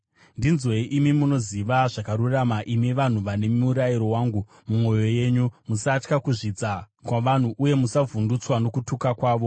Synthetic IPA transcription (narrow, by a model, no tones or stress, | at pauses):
ndinzwe̞ʔimimuno̞ziʋaʐakaɾuramaʔimiʋan̤uʋane̞muɾajiɾo̞waːŋɡu | mumo̞jo̞je̞ːɲumusat͡ʃkakuʐid͡za | kwaʋan̤uʔuje̞musavʱundut͡swano̞kutukakwaːʋo̞